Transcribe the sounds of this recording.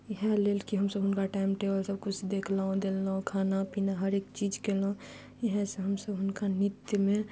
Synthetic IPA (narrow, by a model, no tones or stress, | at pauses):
ɦɛleːlkiɦəmsəbɦʊnkaʈaɪmʈebəlsəbkʊt͡ʃʰd̪ekʰlaõd̪elːaõkʰaːnapinaɦəɾeːkt͡ʃid͡ʒkelõ | jəɦɛ̃seɦəmsəbɦʊnkanɪt̪jmẽ